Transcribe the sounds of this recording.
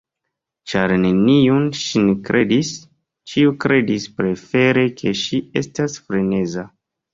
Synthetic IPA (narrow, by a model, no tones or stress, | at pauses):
t͡ʃaɾne̞niunʃinekɾʔe̞dis | t͡ʃiukɾe̞dispɾe̞fe̞ɾe̞kʰe̞ʃie̞stasfɾe̞ne̞za